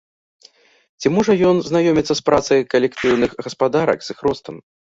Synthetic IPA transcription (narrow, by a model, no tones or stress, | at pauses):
t͡sʲimɔʐɐjɔnznajɔmʲit̪sːɐspɾat̪sɐjkɐlʲɛkt̪ɨwnɨxɣɐspad̪aɾɐ̰kzɨxɾɔst̪ɐm